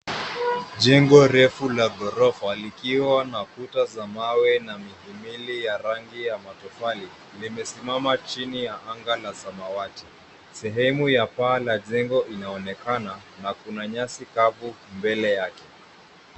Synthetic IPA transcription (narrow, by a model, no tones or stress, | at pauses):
ʄɛŋɡɔɾɛfulaɡɔɾɔfalikiwanakutazamawɛnamihimilijaɾaŋɡijamatɔfali | limɛsimamat͡ʃinijaʔaŋɡalazamawati̥ | sɛɦɛmujapaːlaʄɛŋɡɔʔinaɔnɛkana | nakunaɲasikavu | mbɛlɛjakɛ